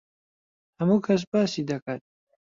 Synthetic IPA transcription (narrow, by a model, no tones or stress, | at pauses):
hɐmuːkʰɐs̬baːsiːd̪ɐkʰaːt̪̚